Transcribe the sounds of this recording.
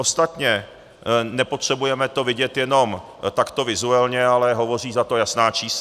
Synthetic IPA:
ost̪at̪ɲɛ | nɛpo̞t̪r̝̥ɛbujɛmɛt̪o̞vɪɟɛt̪jɛno̞m | t̪akt̪o̞vɪzuɛlɲɛalɛɦo̞vo̞r̝iːzat̪o̞jasnaːt͡ʃiːs

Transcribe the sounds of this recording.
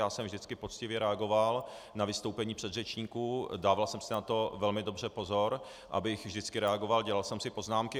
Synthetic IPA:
jaːsɛmvʒdɪt͡skɪpo̞t͡scɪvjɛɾɛaɡo̞val | navɪst̪owpɛɲiːpr̝̥ɛd̪rɛt͡ʃɲiːkudaːvalsɛmsɪnat̪o̞vɛlmɪdo̞br̝ɛpo̞zo̞ɾ | ʔa̰bɪxvʒdɪt͡skɪɾɛaɡo̞valɟɛlalsɛmsɪpo̞znaːmkɪ

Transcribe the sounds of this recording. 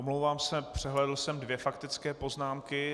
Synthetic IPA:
omlowvaːmsɛpr̝̥ɛɦlɛdl̩sɛmdvjɛfakt̪ɪt͡skɛːpo̞znaːmkɪ

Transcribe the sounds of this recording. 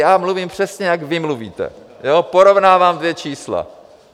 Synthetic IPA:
jaːmluviːmpr̝̥ɛsɲɛjaɡvɪmluvḭːt̪ɛ̰ | jopoɾo̞vnaːvaːmd̪vjɛt͡ʃiːsla̰

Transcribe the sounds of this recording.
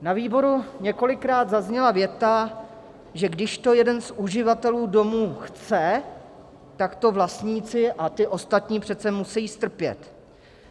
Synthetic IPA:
naviːbo̞ɾuɲɛko̞lɪkɾaːd̪zazɲɛlavjɛt̪a | ʒɛɡdɪʃt̪o̞jɛdɛnsuʒɪvat̪ɛluːdo̞muːxt͡sɛ | t̪akt̪o̞vlast̪ɲiːt͡sɪʔat̪ɪʔo̞st̪at̪ɲiːpr̝̥ɛt̪t͡sɛmusɛjiːst̪r̩pjɛ̰t̪

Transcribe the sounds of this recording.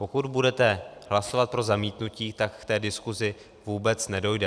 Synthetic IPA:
po̞kud̪budɛt̪ɛɦlaso̞vat̪̚pɾo̞zamiːt̪nuciːt̪akft̪ɛːdɪskuzɪ | vuːbɛt͡snɛdo̞jdɛ

